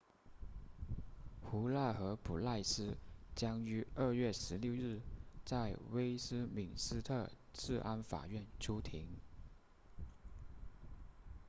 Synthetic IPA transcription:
xu˧˥la˥˩xɤ˧˥pʰu˨˩la˥˧ɪsɹ̩˥t͡ɕjɑ˥ŋy˧˥ə˥˧ɥɛ˥˩ʂɻ̩˧˥ljo˥˧ʊɻɻ̩˥˩t͡sa˥˩ɪwe˥ɪsɹ̩˥mi˨˩ŋsɹ̩˥t̪ʰɤ˥˧ | t͡sɹ̩˥˩ʔa˥nfa̰˨˩ɥɛ˥˩nʈ͡ʂʰu˥t̪ʰi˧˥ŋ

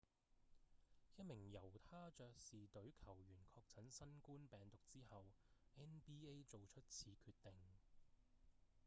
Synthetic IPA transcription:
jɐ˥t̚mɪ˨˩ŋjɐ˨˩wt̪ʰaː˥t͡ʃœː˧k̚siː˨t̪ɵ˨˥ɥkʰɐ˨˩wjyː˨˩nkʰɔː˧k̚t͡sʰɐ˨˥nsɐ˥nkuː˥npɛː˨˩ŋt̪ʊ˨k̚t͡siː˥hɐ˨wʔɛː˥npiː˥e˥jt͡so˨wt͡ʃʰɵ˥t̚t͡sʰiː˨˧kʰyː˧t̚t̪ɪ˨˩ŋ

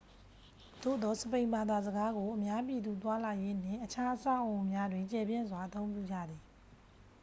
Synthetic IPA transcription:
d̪̥o̰˦˨d̪ɔ˨˦˨səpẽ˨ɪ̃mba˨d̪a˨zəɡa˦ɡo˨ʔəmja˦p̬i˨d̪u˨t̪wa˦la˨je˦n̥ɪ̰̃˦˨ʔət͡ɕʰa˦ʔəsã̰˦˨ʔõ˨mja˦dwɪ̃˨ɲt͡ɕɛ˨bjɪ̃˦˨nzwa˨ʔət̪õ˦ʊ̃mp̬jṵ˦˨d͡ʑä̰˦˨d̪ði˨

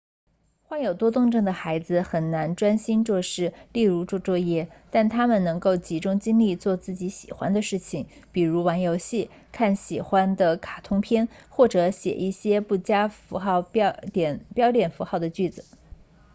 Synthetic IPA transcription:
xwa˥njo˨˩ʊt̪wɔ˥t̪ʊ˥˧ŋʈ͡ʂɤ˥˩ŋd̪ə˩xa˧˥ɪd͡zɹ̩˧xə˨˩nna˧˥nʈ͡ʂwa˥nɕi˥nʈ͡ʂwɔ˥˧ʂɻ̩˥˧li˥˩ɻu˧˥ʈ͡ʂwɔ˥˧ʈ͡ʂwɔ˥˧jɛ˥t̪a˥˩nt̪ʰa˥mə˨nnɤ˧˥ŋko˥˩ʊt͡ɕi˧˥ʈ͡ʂʊ˥ŋt͡ɕi˥ŋli˥˧t͡swɔ˥˧t͡sɹ̩˥˩t͡ɕi˧˥ɕḭ˨˩xwa̰˥nd̪ə˨ʂɻ̩˥˩t͡ɕʰi˩ŋpi˨˩ɻu˧˥wɑ˧˥ŋjo˧˥ʊɕi˥˩ | kʰa˥˩nɕi˨˩xwa˥nd̪ə˨kʰa˨˩t̪ʰʊ˥ŋpʰjɛ˥nxwɔ˥˩ʈ͡ʂɤ˧˥ɕjɛ̰˨˩ʔi˥˩ɕjɛ˥pu˥˩t͡ɕja˥fu˧˥xɑ˥˩ʊpt̪jɛ˨˧˩npjɑ˥ʊt̪jɛ˨˩nfu˧˥xɑ˥˩ʊd̪ə˩t͡ɕy˥˩d͡zɹ̩˩

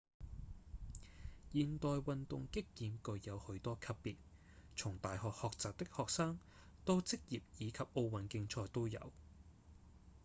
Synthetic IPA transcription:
jiː˨nt̪ɔː˨jwɐ˨nt̪ʊ˨ŋkɪ˥k̚jiː˨˧mkɵ˨˧ɥjɐ˨˧whɵ˨˥ɥt̪ɔː˥kʰɐ˥pːiː˨t̚ | t͡sʰʊ˨˩ŋt̪aː˨jɦɔː˨k̚hɔː˨k̚t͡saː˨t̚t̪ɪ˥k̚hɔː˨k̚saː˥ŋ | t̪o˥wt͡sɪ˥k̚jiː˨p̚jiː˨˧kʰɐ˨p̚ʔo˧wwɐ˨˩nkɪ˧ŋt͡sʰɔː˧jt̪o˥wjɐ̰˨˧w

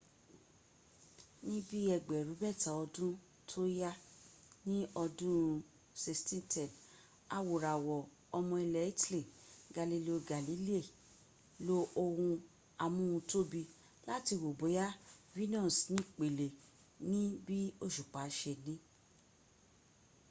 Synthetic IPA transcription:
nĩ˦bi˦ɛ˧ɡ͡bɛ˨ɾu˨˦bɛ˦˨ta˨˦ɔ˧dũ˦ | tʰo˦ja˦ | nĩ˦ɔ˧dũ˦ | se˧stĩ˦tɛ˨n | a˨wo˨ɾa˨wɔ˨ | ɔ˧mɔ̃˧i˧lɛ˨i˦ti˦le˨ɡa˨li˨li˨o˨˧ɡa˨li˨˦li˦e˦˨ | lo˦o˧wũ˧ | a˧mũ˦ũ˧to˦bi˧ | la˦ti˧wo˨bo˨˦ja˦vi˦nɔ̃˦˨snĩ˦k͡pe˨le˨ | nĩ˦bi˦o˦˨ʃu˨k͡pa˨˦ʃe˧nĩ˦

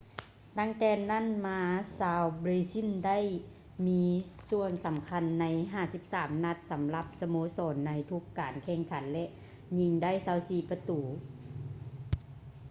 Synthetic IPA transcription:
t̪a˧˥˩ŋt̪ɛː˧na˥˨nmaː˧saː˧wbɾiː˧si˧˥˨nda˥˨j | miː˧su˧ənsa˨˦mkʰa˧˥nːa˧jɦaː˧˥˩si˧˦p̚saː˩˦mna˧t̪̚sa˨˦mla˧˦p̚sa˧moː˧˦sɔː˨˦nːa˧jt̪ʰu˧˥kːaː˨nkʰɛː˧˩ŋkʰa˨˦nlɛ˧ʔ | ɲi˧ŋda˥˨jsaː˧˩wsiː˧˩pa˧t̪uː˨˦

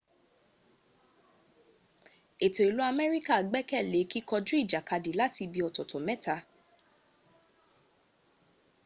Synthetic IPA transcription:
e˨to˨i˨lu˨˦a˧mɛ˦ɾi˦ka˦˨ɡ͡bɛ˦kɛ˦˨le˨˦ki˦kɔ˧d͡ʒũ˦i˦˨d͡ʒa˨ka˧di˨la˦ti˧bi˧ɔ˧tɔ˨tɔ˨mɛ˦ta˧

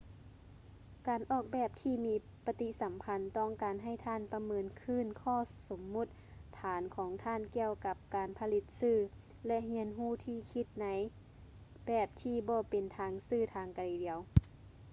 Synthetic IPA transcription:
kaː˨˩nʔɔː˧˩k̚bɛː˧˩p̚t̪ʰiː˧miː˧˥ | pa˧t̪i˧sa˨˦mpʰa˧˥nt̪ɔː˧˥˩ŋkaː˨nɦa˧˩jt̪ʰaː˧˥˨npa˧mɤː˧nkʰɯː˧˥˨nkʰɔː˧˩˨so˨˩˦mːu˧˩t̪̚t̪ʰːaː˨˦nkʰɔː˨˦ŋt̪ʰaː˧˥˨nki˧əwka˧p̚kaː˨˩npʰa˧li˧˥t̪̚sɯː˧˩ | lɛ˧ʔɦi˧˥ənɦuː˧˥˩t̪ʰiː˧˩kʰi˧˥t̪̚na˧˦j | bɛː˧˩p̚t̪ʰiː˧˩bɔː˧˦pe˨nt̪ʰaː˧ŋsɯː˧˩t̪ʰaː˧ŋka˨liː˨˦di˨˦əw

